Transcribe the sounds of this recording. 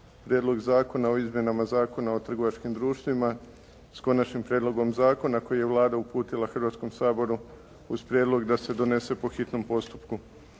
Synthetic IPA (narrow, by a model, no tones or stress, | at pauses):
pɾʲjed̪lˠo̞ɡzaːko̞nao̞izmje̞namazaːko̞nao̞t̪r̩ɡo̞ʋat͡ʃkimd̪ɾuːʃt̪ʋima | sko̞nat͡ʃnimpɾʲjed̪lo̞ɡo̞mzaːko̞nako̞jije̞ʋlˠaːd̪aupuːt̪ilˠaxrʋat̪sko̞msaːbo̞ɾu | uzpɾʲjeːd̪lˠo̞ɡd̪ase̞d̪o̞ne̞se̞po̞xit̪no̞mpo̞st̪u̥pku